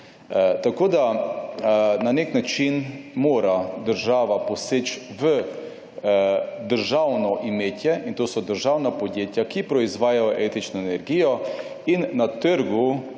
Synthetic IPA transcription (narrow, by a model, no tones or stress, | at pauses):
t̪akoːd̪a | naneknat͡ʃinmoːɾad̪əɾʒaːʋaposeːt͡ʃʋə | d̪əɾʒawnɔʔimeːt̪jɛʔint̪oːsɔd̪əɾʒawnapod̪jeːt̪jakipɾɔizʋaːjajoʔet̪it͡ʃnɔenɛɾɡijɔ | inːat̪əɾɡu